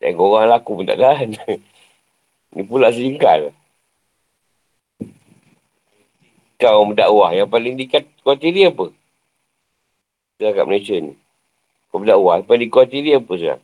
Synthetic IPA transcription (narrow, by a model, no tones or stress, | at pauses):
t̪a̰ɡoɣaŋlakumənt̪a̰ʔɡan | nipulaʔs̬əiŋka̰l | kawmədaʔwahjaŋpaliŋdikat̪̚kuat̪iɾiapə | t̪əaka̰ʔ̚məlasənḭ | kawmədaʔwahjapaldikwat̪iɾiapəs̬la̰ŋ